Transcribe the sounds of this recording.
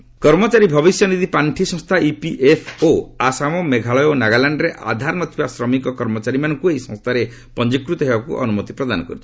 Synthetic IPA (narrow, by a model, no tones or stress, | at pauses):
kɔɾmɔt͡ʃaɾibʱɔβisjɔnid̪ipaɳʈʰisɔ̃ŋst̪ʰaipiʔepʰoasamɔmeɡʱaɭɔjɔnaɡalaɳɖɔɾeʔa̰d̪ʱaɾɔnɔt̪ibasɾɔmikɔkɔɾmɔt͡ʃaɾimanɔŋkueisɔ̃ŋ̃st̪ʰaɾe | pɔnd͡ʒikɾut̪ɔɦebakṵʔɔ̰numɔt̪i̥pɾɔd̪anɔkɔɾut͡ʃʰi̥